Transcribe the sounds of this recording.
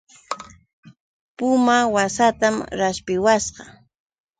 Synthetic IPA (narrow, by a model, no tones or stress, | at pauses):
pʊmawasat̪amɾaspɪwasɢɑ